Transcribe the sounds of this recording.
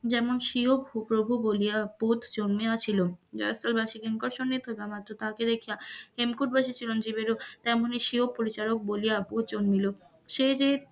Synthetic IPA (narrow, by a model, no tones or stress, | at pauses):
d͡ʑɛmonʃiobupɾobʱubolijapot̪ʰd͡ʑonmiat͡ɕʰilod͡ʑɔ̰jselbaʃiɡeŋkoɾʃonːit̪ɦɔbeamat̪ːɾot̪aked̪ekʰijahemkuʈ̚baʃit͡ɕʰilond͡ʑibeɾot̪ɛmoniʃiob̚pːoɾit͡ɕaɾok̚bolijabot̪̚d͡ʑonmilo | ʃed͡ʑe